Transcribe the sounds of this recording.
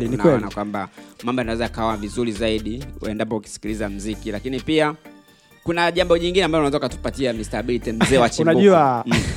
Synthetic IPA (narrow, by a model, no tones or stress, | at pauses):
lininaɛɔlinakwambamambɔanawɛzaakaɔnavizuɾizaiɗiɛndapɔuki̥si̥kilizam̩zikilakinipia | kunaʄambɔʄiŋɡinɛambavɔunawɛzakukatu̥patiamistaɓilitim̩zɛːwat͡ʃinaʄua